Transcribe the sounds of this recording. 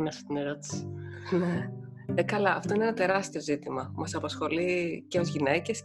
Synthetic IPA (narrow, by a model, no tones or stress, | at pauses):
nɐset̪ineɾot̪i̥si̥ne | ekɐlɐɐft̪o̞inenɐt̪e̞ɾɐst̪io̞zit̪imɐmɐsɐpɐsxo̞liceo̞zʝine̞ce̞s